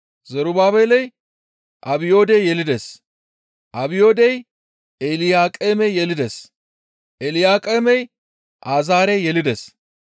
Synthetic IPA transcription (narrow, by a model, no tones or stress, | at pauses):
zɐɾʊbaːbeːlɛj | ʔɐbɪjo̞ːd̪ejjɛlɪd̪es | ʔɐbɪjo̞ːd̪ɛj | ɛlɪjaːkʼeːmɛjjɛlɪd̪es | ʔɛlɪjaːkʼeːmɛj | ʔaːzaːɾɛjjɛlɪd̪es